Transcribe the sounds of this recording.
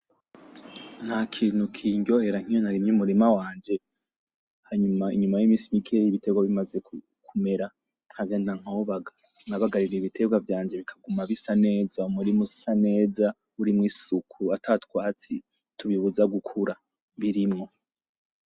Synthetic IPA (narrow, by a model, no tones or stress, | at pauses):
n̥hakʰiːn̥hukʰiːɲɟo̞he̞ɾaŋ̥ijonaɾimɲumuɾimawaːnd͡ʒe̞ | haɲumaḭɲumajimiːsimikʰeiβite̞ɡwaβimaze̞ku | kʰume̞ɾa | n̥haɡjeːndaŋ̥ooβaɡa | naβaɡaɾiɾiiβitʰe̞ɡwavjaːɲd͡ʒe̞βikʰḁɡumaβisane̞ːzaumuɾimusane̞ːza | uɾimŋisukʰuatʰatwaːt͡si | tʰuβiβuzaɡukʰuɾa | βiɾimŋo̞